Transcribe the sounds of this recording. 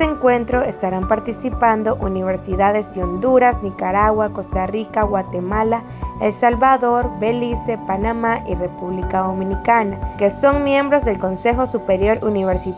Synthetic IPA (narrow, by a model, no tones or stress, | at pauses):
eeŋkwe̞nt̪ɾo̞est̪aɾampaɾt̪isipand̪o̞ʔuniβ̞eɾsiðaðe̞zd̪eo̞nd̪uɾasnikaɾaɣwako̞st̪arikaɣwat̪emala | elsalβaðo̞ɾbe̞lisepanamaʔirepuβlikaðomĩnikanakeso̞ŋmjẽ̞mbɾo̞zðe̞lko̞nse̞xo̞supeɾjo̞ɾʔuniβ̞eɾsi